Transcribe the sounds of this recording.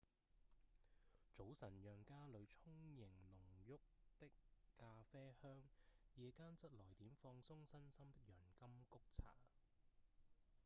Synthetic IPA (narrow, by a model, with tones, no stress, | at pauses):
t͡so˨˥wsɐ˨˩njœː˨ŋkaː˥lɵ˨˧ɥt͡sʰʊ˥ŋjɪ˨˩ŋlʊ˨˩ŋjʊ˥k̚t̪ɪ˥kːaː˧fɛː˥hœː˥ŋjɛː˨˧kaː˥nt͡sɐ˥t̚lɔː˨˩jt̪iː˨˥mfɔː˧ŋsʊ˥ŋsɐ˥nsɐ˥mt̪ɪ˥k̚jœː˨˩nkɐ˥mkʊ˥k̚t͡sʰa̰ː˨˥˩